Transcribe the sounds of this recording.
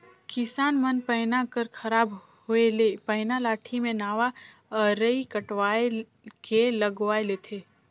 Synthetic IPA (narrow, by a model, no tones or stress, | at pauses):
kɪsaːnmənpəɦnakəɾkʰɐɾaːb | ɦʊelepəɪnalaːʈʰimẽnaːʋa | əɾəikəʈʋaːe | kelɐɡʋaːeleːt̪ʰeː